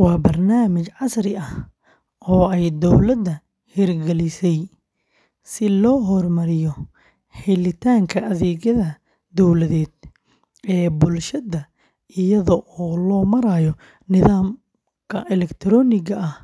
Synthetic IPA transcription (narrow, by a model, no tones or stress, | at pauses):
wɑːbɐrnaːmɪt͡ʃʕɑsɾɪɐh | ɔːɛjd̪ɔwlɐd̪ːɐ | hɛrɡɛlɪsɛj | sɪlɔːɦɔrmɐɾɪjɔ | hɛlɪt̪ʰaːŋkʰɐʔɐðɛːɣɐðɐ | d̪ɔwlɐðɛːd̪̥ | ʔɛːbʊlʃɐðɐ | ɪjɐðɔʔɔːlɔːmɐɾaːjɔ | nɪðaːm | kʰɐʔɛlɛkt̪ʰɾɔːnɪɣɐʔɐh